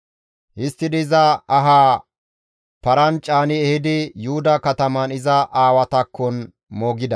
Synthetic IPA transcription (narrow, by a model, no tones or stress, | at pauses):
hɪst̪ːɪd̪ɪzɐɐɦaː | pɐɾɐnt͡ʃʼːaːnɪɛhɪd̪ɪjʊhʊd̪ɐkɐt̪ɐmɐnɪzɐʔaːwɐt̪ɐkːɔn | moːɡɪd̪ɐ